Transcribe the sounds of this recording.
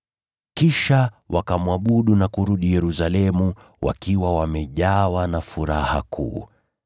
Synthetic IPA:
kiʃa | wʔakamwaɓuɗunakuɾuɗijɛɾusalɛmu | wʔa̰kiwawamɛʄawanafuɾaha̰kʰṵː

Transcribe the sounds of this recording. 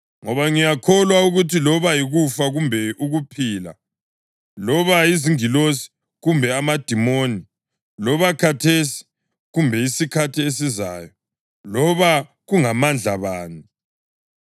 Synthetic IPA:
ŋɔβaŋijakʰɔlwauɣutʰilɔβajiɣufaɣumbʱɛʔuɣupʰiːla̰ | lɔβaiziŋilosi̥ | ɣumbʱɛamad̥ʱimoni | lɔβakʰatʰesi̥ | ɣumbʱɛisikʰatʰies̬iza̰ːjɔ | lɔβa | ɣuŋamand͡ɮʱaβaːni

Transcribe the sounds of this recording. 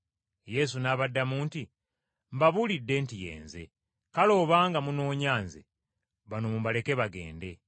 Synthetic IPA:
je̞s̬unaːβadːamuːnti | mbaβulidːe̞ntije̞̰ːnze̞ | kalo̞βaːŋɡamuno̞ːɲaːnzḛ | βanomumbale̞ke̞βaɡe̞̰ːnde̞

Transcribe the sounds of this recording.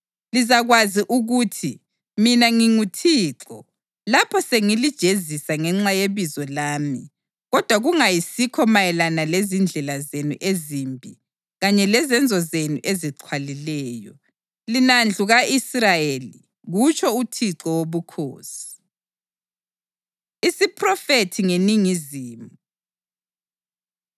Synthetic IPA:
lizaɣwaziʔuɣutʰi | minaŋiŋutʰiːǁɔ | lapʰɔseŋilid̥ʒ̥ʱezisaŋɛŋ͡ǁajeβizɔlaːmi | ɣɔd̥ʱwaɣuŋajisikʰɔmajɛlanalezind͡ɮʱɛlazenṵʔezimbʱi | ɣaɲɛlɛzɛnd͡zʱɔzenṵʔeziǃʰwalilɛːjɔ | linand͡ɮʱuɣaʔisrajeli | ɣut͡ʃʰʼɔutʰiǁɔwoβukʰo̰ːsi̥ | isipʰrɔfetʰiŋeniŋiziːmu

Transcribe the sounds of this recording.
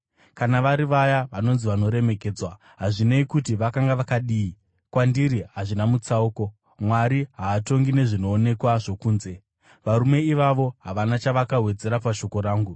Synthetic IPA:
kanaʋaɾiʋajaʋano̞nziʋano̞ɾe̞me̞ke̞ːd͡zwa | ɦaʐineikutiʋakaŋɡaʋakaɗiːi | kwandiɾiɦaʐinamut͡sauko̞ | mwaɾiɦaːto̞ŋɡine̞ʐino̞ːne̞kwaʐo̞kuːnze̞ | ʋaɾume̞iʋaʋo̞ɦaʋanat͡ʃaʋakaɦwe̞d͡ze̞ɾapaʃo̞ko̞ɾaːŋɡu

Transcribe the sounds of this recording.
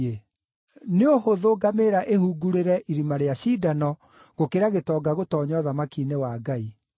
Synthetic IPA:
e | neohoðoɡameɾaʔehuɡuɾeɾɛʔiɾimaɾeaɕiːdanɔ | ɣokeɾaɣetɔɡaɣotɔːɲɔðamakinewaːɡai

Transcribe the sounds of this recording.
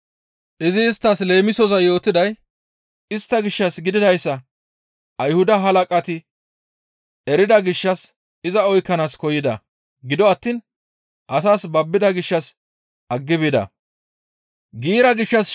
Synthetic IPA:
ʔɪzɪːst̪ːɐsle̞ːmɪsɔzɐjo̞ːt̪ːɪd̪ɐj | ɪst̪ːɐɡɪʃːɐsɡɪd̪ɪd̪ɐjsːɐ | ʔɐjhʊd̪ɐɦɐlɐkʼɐt̪ɪ | ɛɾɪd̪ɐɡɪʃːɐs | ɪzɐɔjkːɐnaːskɔjɪd̪ɐ̰ | ɡɪd̪ɔɐt̪ːiːn | ʔɐsaːsbɐbːɪd̪ɐɡɪʃːɐs | ʔɐɡːɪbɪd̪ɐ̰ | ɡiːɾɐɡɪʃːɐs

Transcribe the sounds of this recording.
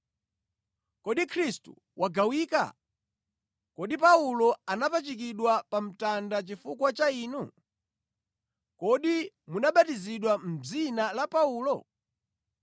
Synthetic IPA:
kɔɗikʰɾistṵ | wʔaɡawiːka̰ | kɔɗipaulɔanapat͡ʃik̬iɗwapam̩tandat͡ʃifukwat͡ʃaiːnu | kɔɗi | munaɓatiziɗwam̩d͡zinalapauːlɔ

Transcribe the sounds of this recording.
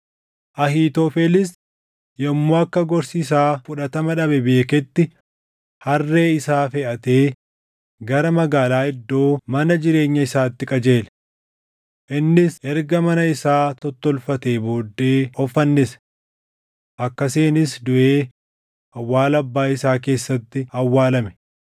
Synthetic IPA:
ʔɐhiːt̪ofelɪs | jɐmːoːɐkːɐɡɔɾsiːs̬aːfʊᶑɐt̪ɐmɐᶑɐbɛbeːkɛt̪ːɪ | hɐrːe̞ːɪsaːfɛʔɐt̪e̞ː | ɡɐɾɐmɐɡaːlaːɪd̪ːo̞ːmɐnɐd͡ʒɪɾe̞ːɲːɐɪsaːt̪ːɪkʼɐd͡ʒe̞ːl | ʔɪnːɪsʔɛɾɡɐmɐnɐɪsaːt̪ɔt̪ːɔlfɐt̪eːboːd̪ːeːɔfɐnːɪs | ʔɐkːɐseːnɪs̬d̪ʊʔe̞ː | ɐwːaːlɐbːaːɪsaːk̬e̞ːsːɐt̪ːɪɐwːaːlɐmɛ̥

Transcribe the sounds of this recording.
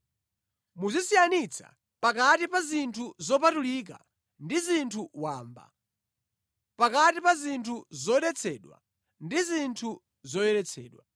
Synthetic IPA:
muzisijanit͡sʰa̰ | pakatipazintʰuzɔpatulik̬a̰ | ndizintʰuwaːmba̰ | pakatipazintʰuzɔɗɛt͡sʰɛɗwa̰ | ndizintʰu | zɔjɛɾɛt͡sʰɛ̰ːɗwa̰

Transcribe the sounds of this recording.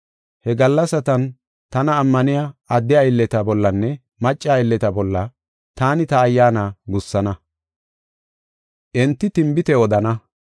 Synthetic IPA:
hɛɡɐlːɐsɐt̪ɐn | t̪ɐnɐːmːɐnɪjaɐd̪ːɪajɪlːɛt̪ɐbɔlːɐnːɛ | mɐt͡ʃʼːaɪlːɛt̪ɐbɔlːɐ | t̪aːnɪt̪ɐːjːaːnaɡʊsːɐnɐ | ʔɛnt̪ːɪt̪ɪmbɪt̪ɛɔd̪ɐnɐ

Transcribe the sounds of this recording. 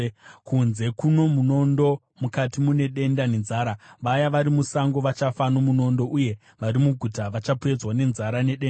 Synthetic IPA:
kunze̞kuno̞muno̞ndo̞ | mukatimune̞ɗe̞ndane̞nzaːɾaʋajaʋaɾimusaŋɡo̞ʋat͡ʃafano̞muno̞ndo̞ʔuje̞ | ʋaɾimuɡʱutaʋat͡ʃapue̞d͡zwane̞nzaɾane̞ɗena

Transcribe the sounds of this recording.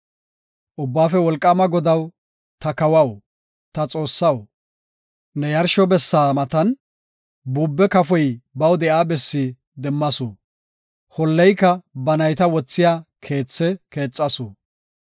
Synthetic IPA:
ʔʊbːaːfɛwɔlkʼːɐmɐɡɔd̪ɐw | t̪ɐkɐwɐw | t̪ɐt͡sʼo̞ːsːɐw | nɛjɐɾʃɔbɛsːaːmɐt̪ɐn | buːbːɛkɐfɔjbɐwd̪ɛʔaːbɛsːi | d̪ɛmːɐsʊ | hɔlːɛjkːɐbɐnɐjt̪ɐwɔt͡sːɪjaːkʰe̞ːt͡sːɛke̞ːt͡sʼːɐsʊ

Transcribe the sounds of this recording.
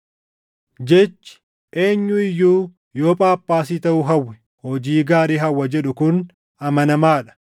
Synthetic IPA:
d͡ʒɛt͡ʃːɪ̥ | ʔe̞ːɲːʊɪjːuː | jo̞ːpʼaːpːaːsiːt̪ɐʔʊɦɐwːɛ | hɔd͡ʒiːɡaːɾiːɦɐwːɐd͡ʒɛᶑʊkʊn | ʔɐmɐnɐmaːᶑɐ̥

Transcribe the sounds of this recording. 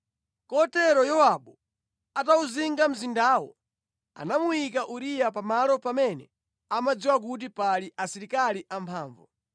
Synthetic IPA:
kɔtɛɾɔjɔwaɓɔ | atauziŋɡam̩zindaːwɔ̰ | a̰namujikaʔuɾijapamalɔpamɛnɛ | amad͡ziwak̬ut̬ipaliʔasiɾikaliʔampʰaːɱvɔ

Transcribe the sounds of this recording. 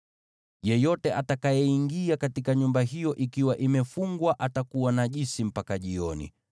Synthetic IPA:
jɛjɔtɛʔatakajɛiŋɡiakatikaɲumbaɦijɔʔikiwaʔimɛfuŋɡwaʔatakuwanaʄisim̩pakaʄiɔnḭ

